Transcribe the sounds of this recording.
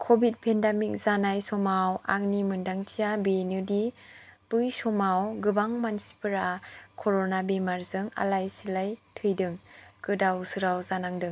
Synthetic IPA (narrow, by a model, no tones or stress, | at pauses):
kʰobit̚pʰendamik̚zanajsɔmawa̰ŋ̚nimɯndaŋtʰijabinɯdi | b̥ɯjsɔmawɡɯbaŋmansi̥pɯɾakʰɔɾonabemaɾzɯŋa̰lajsilajtʰɯjdɯŋ | kɯdawsɯɾawzanaŋdɯŋ